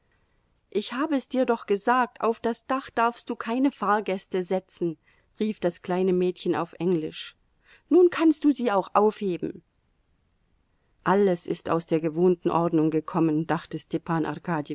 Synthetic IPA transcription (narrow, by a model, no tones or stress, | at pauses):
ʔɪçhaːbəɛsd̥iːɐdɔχɡ̥əzaːk̚tʰʔa̰ʊfd̥asd̥aχd̥aɐfstd̥uːkʰaɪnəfaːɐɡɛstəzɛt͡sn̩ | ʁiːfd̥askl̥aɪnəmɛːtçəna̰ʊfʔɛŋlɪʃ | nuːnkʰanst̚d̥uːziːaʊxʔaʊfheːbm̩ | ʔaləsɪ̰staʊsd̥eːɐɡəvoːntn̩ʔɔɐdnʊŋɡəkʰɔmənd̥aχtəstɛpʰaːnʔa̰ʁkʰaːdjə